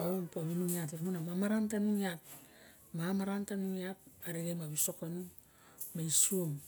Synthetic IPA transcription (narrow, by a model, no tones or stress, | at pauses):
ompominuŋiat̬iɾmunamamaɾantanuŋiap̚ | mamaɾantanuŋiap̚aɾiɡajmaβisokonu | maisuom